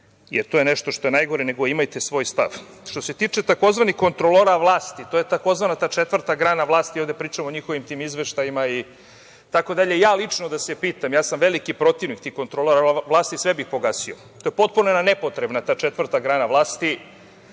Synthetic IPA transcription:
jeɾt̪ojeneʃt̪oʃt̪o̞je̞najɡo̞ɾene̞ɡo̞imajt̪esʋo̞ːjst̪a̰ʋ | ʃt̪o̞se̞t̪iːt͡ʂe̞t̪ako̞zʋanixko̞nt̪ɾoloɾaʋlˠaːst̪it̪ojet̪ako̞zʋanat̪aːt͡ʃet̪ʋvr̩t̪aɡɾaːnaʋlˠaːst̪iovd̪epɾiːt͡ʂamooɲixo̞ʋimt̪iːmizʋeʃt̪ajimai | t̪ako̞d̪aʎeijaːlit͡ʂnod̪asepiːt̪amjaːsamʋelikipɾo̞t̪iʋnikt̪iko̞nt̪ɾoloɾaʋlˠaːst̪isʋebixpo̞ɡaːsio̰ | t̪oje̞po̞t̪̚punoenanepo̞t̪ɾebnat̪aːt͡ʂet̪ʋr̩t̪aɡɾaːnaʋlˠaːst̪i

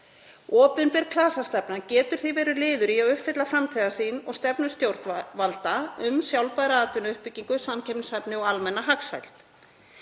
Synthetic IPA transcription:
ɔːpʏnpɛɾkʰlaːsast̪ɛpnacɛːt̪ʏɾ̥θivɛːɾʏlɪːðʏɾiaʏhpfɪt̪lafɾamt̪ʰiðasiːnɔ̰ɣst̪ɛpnʏst̪jowɾt̪valt̪aʏmsjawlpaðɾaaːt̪ʏnʏhpɪcːiŋkʏsamcʰɛpnʏsɛpnɪɔɣalmɛnːaɦaksa̰jl̥t̪

